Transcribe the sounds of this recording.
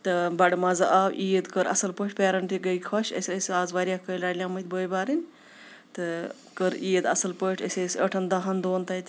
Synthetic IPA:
t̪ɨbɐɽmɐzɐʔaːwʔiːəd̪kəɾɐ̰sɐlpəːʈʰʲpʲeːɾɐɳʈiɡɐjʲkʰɐʃɐ̰sʲəsʲaːzʋaːɾjakəjlaːlʲjaːmɐt̪̚ʲbəːjbaːɾinʲ | t̪ɨ | kəɾiːjəd̪ɐsɐlpəʈʰə̰sʲesəʈʰɐnd̪ɐɦɐnd̪oːnt̪ɐjt̪ʲ

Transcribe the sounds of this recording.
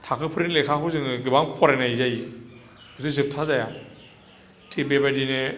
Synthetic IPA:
tʰakʰɯpʰɯɾilekʰaɦɯzɯŋɡɯbaŋpʰɔɾajnajzaji | b̥ɯzɯzɯp̚tʰazaja | tʰibebajdine

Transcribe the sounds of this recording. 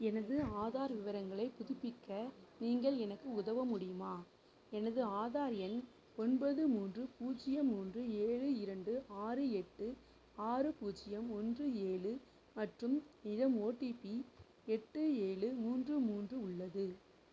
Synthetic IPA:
ɛnɐðɯaːðaːɾʋɪʋɐɾɐŋɡɐɭɐɪpʊðɪpːɪkːɐniːŋɡɐɭɛnɐkːɯʊðɐʋɐmʊɽɪjɯmaː | ɛnɐðɯaːðaːɾɪjɐn | ɔnbɐðɯmuːndrɯpuːt͡ʃːɪjɐmːuːndrɯeːɭɯɪɾɐɳɖɯaːɾɯɛʈːɯ | aːɾɯpuːt͡ʃːɪjɐmɔndrɯeːɭɯ | mɐʈrɯmnɪɻɐmoːʈːipːi | ɛʈːɯeːɭɯmuːndrɯmuːndrɯʊɭːɐðɯ

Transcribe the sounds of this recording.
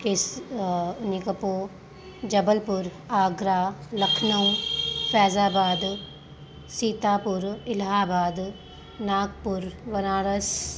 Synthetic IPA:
kɪs | nikəpoː | d͡ʒəbəlpʊɾ | aːɡɾaːləkʰnəũfʰɛːzaːbaːd̪ | siːt̪aːpʊɾɪlɦaːbaːd̪ | naːk̚pʊɾʋɐnaːɾəs

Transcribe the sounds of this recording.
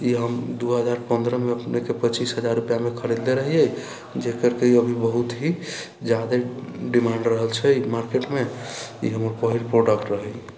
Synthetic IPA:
iɦəmd̪uɦəd͡ʒaɾpənd̪ɾəmeəpnekepət͡ʃisɦəd͡ʒaɾːupjamekʰəɾed̪leɾəɦijɛ | d͡ʒekəɾkeiəbʱibəɦut̪ɦi | d͡ʒjad̪eɖimãɳɖɾəɦəlt͡ʃʰɛimaɾkeʈmeḭɦəməɾpəɦilpɾoɖəkʈɾəɦɛj

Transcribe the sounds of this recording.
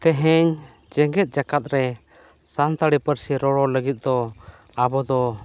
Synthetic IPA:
t̪ɛɦɛɲ | d͡ʒɛŋɡɛt̪̚ˀd͡ʒakat̪̚ɾɛ | sant̪aɽipəɾsiɾɔɽɔləɡit̪̚ˀd̪ɔ | abɔd̪ɔ

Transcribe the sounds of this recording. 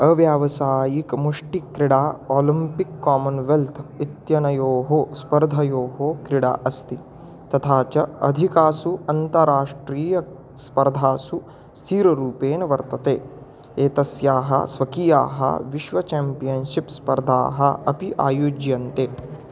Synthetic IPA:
ɐʋjaːʋɐsaːjikmuʂʈikɾiɽaːoːlimpikːaːmɐnʋelt̪ʰit̪jɐnɐjoːɦoːspɐɾd̪ʱɐjoːɦoːkɾiɽa̰ːʔɐst̪i | t̪ɐt̪ʰaːt͡ʃɐɐd̪ʱikaːsuɐnt̪ɐɾaːʂʈɾiːjɐ | spɐɾd̪ʱaːsu | st̪ʰiːɾɐɾuːpeːnɐʋɐɾt̪ɐt̪ḛː | eːt̪ɐsjaːɦɐ̰sʋɐkija̰ːɦɐ̰ʋiʃʋɐt͡ʃaːmpijɐnʃipspɐɾd̪ʱa̰ːɦɐɐpiʔa̰ːjuːd͡ʒjɐnt̪eː

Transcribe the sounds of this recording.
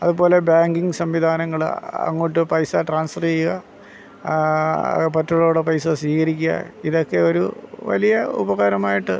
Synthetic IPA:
ɐðupo̞ːle̞baːŋɡiŋɡɨsɐmʋid̪ʱaːnɐŋːɐɭ̰ɐ̰ŋːoːʈ̬ːɨpɐjsaʈraːnsfɐreɐ | pɐtːuɭoːɽepɐjsasʋiːkɐɾikʲːuɐ̰iðo̞kːe̞o̞ɾṵʋɐ̰lijɐṵbɐɣɐːɾɐmaːjiʈːɨ̰

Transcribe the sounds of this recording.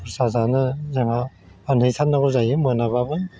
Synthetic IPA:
pʰɯɾsazanɯzaŋa | anɯjsʰat̚nːaɡɔzajɯmɯanababɯ

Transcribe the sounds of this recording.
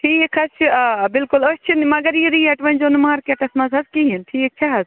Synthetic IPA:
hʰiekʰɐt͡ʃʰbɪlkuləst͡ʃʰinmɐɡɐɾjiɾiɐʈʋɐnʲd͡ʒonmaːɾkeʈɐsmɐzɐzkiɦinʈʰik̚t͡ʃʰaɦɐz

